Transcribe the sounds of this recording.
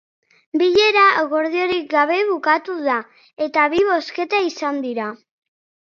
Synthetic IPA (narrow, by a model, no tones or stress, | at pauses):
biʎe̞ɾaɣo̞ɾð̞io̞ɾik̚ɡaβ̞e̞βukat̪uða | e̞t̪aβiβ̞o̞ske̞t̪aisand̪iɾa